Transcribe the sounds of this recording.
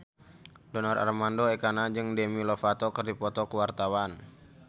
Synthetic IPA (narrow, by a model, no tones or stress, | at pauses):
dɔnɔra̰rmandoɛkanad͡ʒɨŋdɛmilɔfat̪ɔkɨrdipɔt̪ɔkəwart̪awan